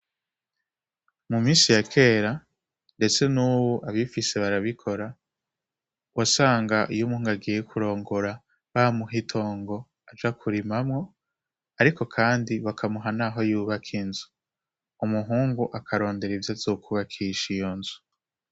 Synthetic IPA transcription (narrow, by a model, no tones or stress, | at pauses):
mumiːsijakʰe̞ːɾa | nde̞t͡se̞nuːwoʔaβifise̞βaɾaβikʰo̞ɾa | wasaːŋɡaʔijumuhuŋɡaɡijekʰuɾo̞ːŋɡo̞ɾa | βamuɦitʰo̞ːŋɡo̞ | ad͡ʒakʰuɾimamŋo̞ | aɾiko̞kʰaːndiβakʰamuɦanaɦo̞juːβakʰinzu̥ | umuɦuːŋɡuʔakʰaɾo̞ːnde̞ɾivjazoːkʰuβakʰiʃijonzu̥